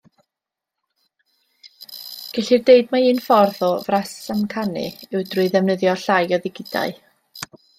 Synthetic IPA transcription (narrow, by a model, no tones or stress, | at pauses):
ɡ̥ɛɬirdeɨdmaiːnfɔrðɔvrassamkʰanɨ̰ɪwdrʊɨðɛvnəðjɔɬajɔðɪɡɪda̰ɨ